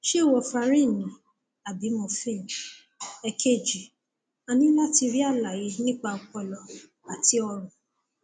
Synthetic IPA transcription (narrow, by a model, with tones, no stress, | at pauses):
ʃe˦˨wɔ˧fa˧ɾĩ˦˨nĩ˨ | a˨bi˨˦mɔ̃˧˨fe˦˨ | ɛ˧kʰe˦˨d͡ʒi˨ | a˧nĩ˦la˦ti˧ɾi˦a˦˨la˨je˧˦nĩ˦k͡pa˧ɔ˧k͡pɔ˧lɔ˧ | a˨ti˦ɔ˧ɾ̃ũ˨